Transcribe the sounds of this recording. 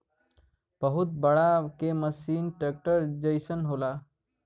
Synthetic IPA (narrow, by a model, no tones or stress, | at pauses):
b̥əɦʊt̪̚bəɽakeməsiːnʈeːk̚ʈəɾd͡ʒəjsənɦoːlaː